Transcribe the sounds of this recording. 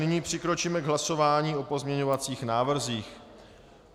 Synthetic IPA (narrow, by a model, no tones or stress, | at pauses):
nɪɲiːpr̝̥ɪkɾo̞t͡ʃiːmɛɡɦlaso̞vaːɲiːʔo̞po̞zmɲɛɲo̞vat͡siːxnaːvr̩ziːx